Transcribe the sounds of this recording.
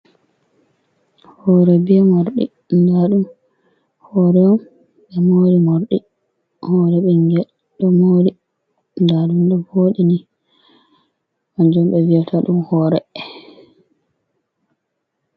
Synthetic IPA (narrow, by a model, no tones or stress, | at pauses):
hɔɾɛbɛmoɾɗḭ | ndaɗum | hɔɾɛɔm | ɓɛmoɾimoɾɗi | hɔɾɛɓɛnd͡ʒɛ | ɗɔmoɾi | ndaɗumɗɔboɗini | and͡ʒɔmɓɛviɔtʰaɗumhɔɾɛ